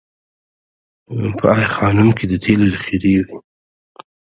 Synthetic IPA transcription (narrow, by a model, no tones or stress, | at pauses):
pʰə̰ɑjxɑnʊmkʰed̪ət̪ʰelod̪əxiɾewi